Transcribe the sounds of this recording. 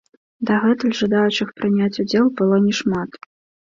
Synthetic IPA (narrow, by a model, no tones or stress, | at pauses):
d̪ɐɣɛt̪ɨlʲʐɨd̪ajut͡ʂɨxpɾɨnʲat͡sʲʊd͡zʲelˠbɨlˠɔnʲɛʂmat̪